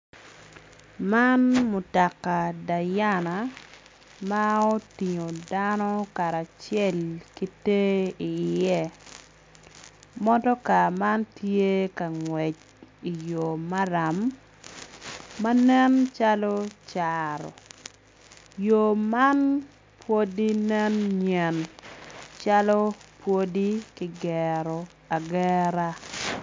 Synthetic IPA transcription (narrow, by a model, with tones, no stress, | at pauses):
ma˦nmo˨ta˨ka˨da˨ja˦na˨ | ma˦o˦ti˨ŋo˨danɔ˦ka˨ɾa˨t͡ʃjɛ˦˨lki˦te˦i˨jɛ˦ | mɔ˦dɔ˦ka˨ma˦ntje˦ka˨ŋwɛ˨t͡ʃ | i˨jo˨ma˦ɾa˨m | a˦nɛ˦nt͡ʃa˦lɔ˦t͡ʃaɾɔ̰˨ | jo˨ma˦n | pwo˦di˦nɛ˦nɲɛ˨n | t͡ʃa˦lɔ˦pwo˦di˦kɪ˦ɡɛ˨ɾɔ˨ | a˨ɡɛ˦ɾa˦